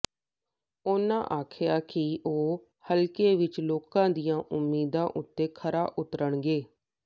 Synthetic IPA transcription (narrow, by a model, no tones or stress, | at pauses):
oːnã̰ːʔaːkʰɪjaːkɪʔoː | həlkeːʋɪt͡ʃloːkãːd̪ijãːʔʊmːiːd̪ãːʔʊt̪ːeːkʰəɾaːʔʊt̪əɾəɳɡeː